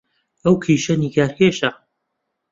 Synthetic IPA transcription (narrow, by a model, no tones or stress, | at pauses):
ɐwkʰiːʃɐniːkaːɾkʰeːʃɐ